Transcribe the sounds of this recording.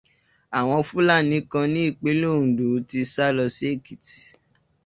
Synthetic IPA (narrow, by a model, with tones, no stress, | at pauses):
a˨w̃ɔ̃˧fu˦la˦˨nĩ˨˦kã˧nĩ˦i˦˨k͡pe˨˦lo˦˨ũ˨do˨˦ti˧sa˦lɔ˧se˦˨ki˨ti̥˨